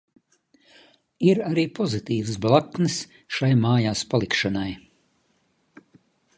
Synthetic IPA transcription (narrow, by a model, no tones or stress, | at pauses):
iɾaɾiːpʰɔzit̪iːvɨsblˠak̪nɨs | ʃajmaːjaːspalˠikʃanaj